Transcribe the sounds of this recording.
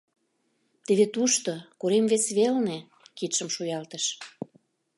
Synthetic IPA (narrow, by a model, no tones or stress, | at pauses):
t̪eβet̪uʃt̪okuɾemvesβelne | kit̪ʃəmʃujɑlt̪əʃ